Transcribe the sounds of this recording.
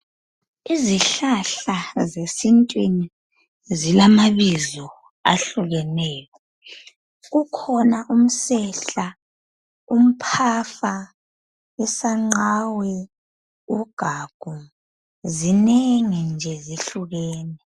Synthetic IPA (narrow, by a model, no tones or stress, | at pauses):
iziɬaɬazesintʼwini | zilamaβizɔ | a̰ɬuɣɛnɛːkɔ | ɣukʰɔnaʔum̩sɛɬa | um̩pʰafa | ɛsaŋ͡ǃawɛ | uɡ̥ʱaɡ̥ʱu | zineŋind͡ʒʱɛziɬuɣɛːnɛ